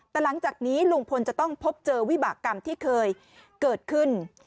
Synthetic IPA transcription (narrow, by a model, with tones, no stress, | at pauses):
t̪ɛː˨˩la˩˦ŋt͡ɕaː˨˩k̚niː˦˥lu˧ŋpʰo˧nt͡ɕa˨˩t̪ɔ˥˩ŋpʰo˦˥p̚t͡ɕɤː˧wi˦˥baː˨˩kːa˧mt̪ʰiː˥˩kʰɤː˧j | kɤː˨˩t̪̚kʰɯ˥˩n